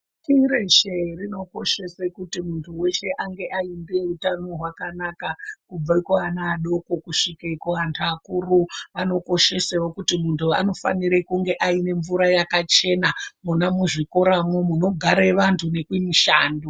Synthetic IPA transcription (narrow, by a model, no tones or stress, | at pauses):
tiɾeʃerino̞ko̞ʃe̞sekutimuntʰuwe̞ʃe̞ʔaŋɡe̞ʔaindeutano̞ɦwakanakakub͡vaikoanaːɗo̞ko̞kuʂikekoantʰakuːruano̞ko̞ʃe̞sewokutimuntʰua̰no̞fa̰niɾekuŋɡe̞ʔaine̞ɱvuɾajakat͡ʃe̞namunamuʐiko̞ɾamwomuno̞ɡʱaɾeʋantʰune̞kwimiʃaːndo